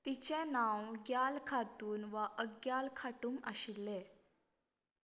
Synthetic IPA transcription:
t̪it͡ɕẽnãwɡjalkʰat̪uːnʋaʔəɡjalkʰaʈuːmaɕilːe

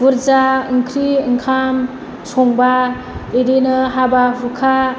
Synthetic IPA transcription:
buɾzaɯŋkʰɾiɯŋkʰam | sɔŋba | edinɯɦababukʰa

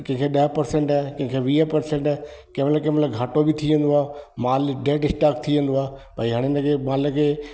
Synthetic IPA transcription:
kɐ̃ɦŋkʰeɗɐɦpɐɾsẽɳʈɛkɐ̃ɦɪ̃kʰeʋiːəpɐɾsẽɳʈː | kɐ̃ɦmələkẽmləɡʱaːʈobɪt̪ʰiʋẽnd̪oaːɦmaːlɖeːʈɖɪsʈaːkt̪ʰiʋẽnd̪oaːepaiɦaɽ̃enəkʰemaːləkʰeː

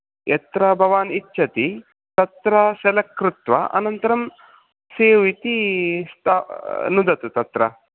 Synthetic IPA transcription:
jʔet̪ɾɐbʱɐʋaːnitːʃʰɐt̪i | t̪ɐt̪ɾɐsɐlɐkɾut̪ʋɐ̰ʔɐ̰nɐnt̪ɐɾɐm | seːʋit̪ist̪ʰanud̪ɐt̪ut̪ɐt̪ɾɐ̰

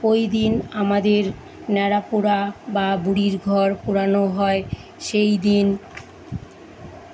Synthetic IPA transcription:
ojd̪inamad̪eɾ | nɛɾapuɾababuɽiɾɡʱɔɾpuɾanoɦɔe | ʃejd̪in

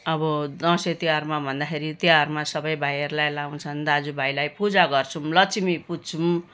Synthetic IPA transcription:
ʌbʌd̪ʌ̃set̪iarmabʱʌnd̪axʰeɾit̪iarmasʌbʌjbʱajʌɾulajlaw̃t͡sʰʌnd̪ad͡zubʱajlajpud͡zaɡʌrt͡sʰumlʌt͡simiput͡sʰum

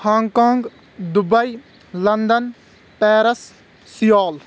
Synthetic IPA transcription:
hãːŋɡkãːŋɡ | d̪ʊbəi | lənd̪ən | pɛːɾəs | sɪjaːl

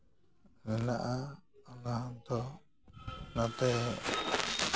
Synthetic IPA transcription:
mɛnaʔaɔnaɦant̪ɔ | nat̪ɛ

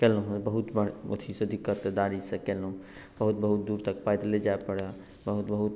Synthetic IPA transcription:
kɛləɦũbəɦut̪bəɽo̰t̪ʰisəd̪ikːəɾt̪ed̪aɾisẽkɛləɦũ | b̥əɦut̪̚bəɦut̪̚d̪uːɾt̪ək̚pajd̪led͡ʒaepəɽa | bəɦut̪bəɦut̪

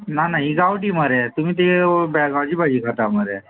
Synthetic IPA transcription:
nanaɦiɡawʈiːməɾɛt̪um̤iːt̪̬ebɛɡawd͡ʑiːbad͡ʑiːkʰat̪aməɾɛ

